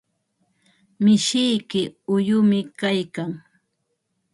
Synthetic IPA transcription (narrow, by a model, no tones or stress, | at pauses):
mɪʃɪjkɪʊjʊmɪkajkaŋ